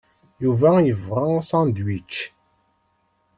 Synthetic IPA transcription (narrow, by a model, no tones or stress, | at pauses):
juvæjəvʁasɑ̃nd̪wit͡ʃː